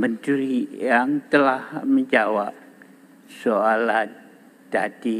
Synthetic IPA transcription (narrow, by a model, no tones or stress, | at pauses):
mənd͡ʒuɾijaŋt̪əlahməɲd͡ʒawap̚ | soala | d̥ad̥i